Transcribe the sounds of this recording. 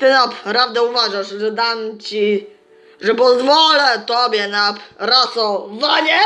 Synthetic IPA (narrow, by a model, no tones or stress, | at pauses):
t̪ɘnapɾavd̪ɛuvaʐaʂʐɛd̪amt͡ɕi | ʐɛpɔzvɔlɛt̪ɔbʲjɛnapɾasɔvaɲɛ